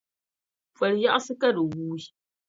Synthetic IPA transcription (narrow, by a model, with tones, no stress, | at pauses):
fɐ˨lja˦ʔa˦sɨ˦ka˦dɨ˨wuː˦i˦